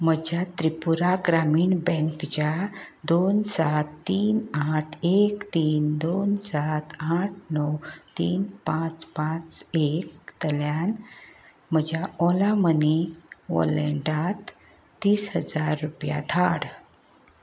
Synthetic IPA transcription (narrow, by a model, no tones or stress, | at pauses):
m̤əd͡ʑʱjat̪ɾipuɾaɡɾamiːɳbɛ̃ŋkt͡ɕad̪onsat̪ːiːnaʈʰekt̪iːnd̪onsat̪aʈ̚ʰnɔwt̪iːnpãt͡spãt͡sekt̪əljan | m̤əd͡ʑjaɔlaməniʋɔ̰ləɳɖat̪ː | iːsɦəd͡zaɾːupja̰d̪ʱʰaɽ